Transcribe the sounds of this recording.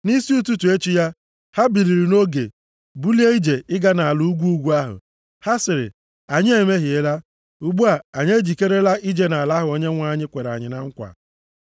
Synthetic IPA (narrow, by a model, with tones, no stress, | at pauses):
ni˦si˦u˦tu˦tu˨e˦t͡ʃi˦ja˦ | ha˦bi˨ɾi˨ɾi˨no˦ɡḛ˨ | bu˦li˦e˦i˦d͡ʒe˨ɪ˦ɡa˦na˨a˨lu˦u˦ɡʷu˦u˦ɡʷu˦a˦ɦʊ̰˨ | ha˦sɪ˨ɾɪ̰˨ | a˨ɲɪ˦e˨me˦ɦi˨e˦la˦ | u˨ɡ͡bu˦a˨a˨ɲe˦d͡ʒi˨ke˦ɾe˦la˦ʔi˦d͡ʒe˦na˨la˦ɦʊ˨o˦ɲe˦ŋʷa˦˨˦ɲɪ˦kʷe˨ɾa̰˨ɲɪ˨na˨ŋ̩˦kʷa̰˨